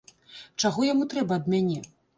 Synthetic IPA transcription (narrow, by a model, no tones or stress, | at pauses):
t͡ʂaɣɔjamut̪ɾɛbɐːd̪mʲanʲɛ